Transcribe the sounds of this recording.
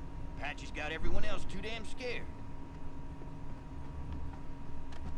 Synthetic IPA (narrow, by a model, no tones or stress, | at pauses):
pʰæt͡ʃizɡɑɾɛvɹiwʌ̃ñɛlˠstʰʉɾæ̃mskɛɹd̥